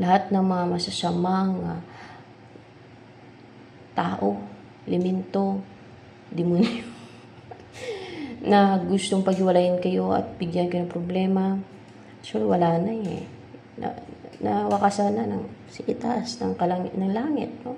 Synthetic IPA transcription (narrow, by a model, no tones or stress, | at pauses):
lɐhat̪̚nɐŋmɐŋɐmɐsɐsamaŋa | t̪aːʔo | lɪmɛnt̪o̞ | d̪ɪmʊnjo | nɐɡʊst̪oŋpɐɡhɪwɐlahɪnkɐjo̞ʔɐ̰t̪̚bɪɡjankonɐŋpɾoblɛːma | sɛlwɐlaːnajɛ̰ | nɐ̰nɐwɐkasananɐ̰ŋsɪʔɪt̪asnɐŋkɐlaŋnɐŋlaːŋɪ̰t̪̚no